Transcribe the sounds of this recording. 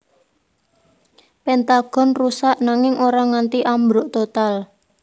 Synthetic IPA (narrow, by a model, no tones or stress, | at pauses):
pɛnt̪aɡ̥ɔ̤nrusaʔnaŋɪŋʔoɾaŋant̪iʔambɾoʔt̪ot̪al